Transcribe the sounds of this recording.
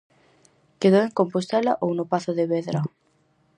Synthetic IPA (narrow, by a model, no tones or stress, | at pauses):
keðoweŋkompost̪ɛlɐʔownopaθʊðeβeðɾɐ